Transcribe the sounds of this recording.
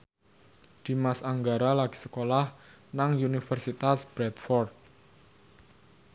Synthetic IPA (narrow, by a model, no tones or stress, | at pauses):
d̪̥i̤masaŋɡaɾalaɡ̥i̤̥səkolahnaŋjunifərsit̪asb̥ɾɛt̪fɔrt̪̚